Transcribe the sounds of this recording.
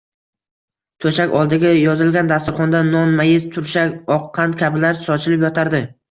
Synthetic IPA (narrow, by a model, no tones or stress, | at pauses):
t̪ʰɵʃakʲɒlˠd̪ɪɡʲajɒzɪlɡʲand̪ast̪ʊɾχɒnd̪anɒnmajɪzt̪ʰʊɾʃakʲɒqʰːɑnt̪kʲʰabɪlaɾsɒt͡ʃʰɪlɪpjɒt̪ʰaɾd̪ɪ